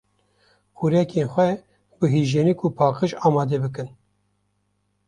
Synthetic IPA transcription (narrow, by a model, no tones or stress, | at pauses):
xuɾɛkenxʷɛ | bɨɦiʒeːnikʰupʰɑːqɨʃɑːmɑːd̪ɛbɨkɨn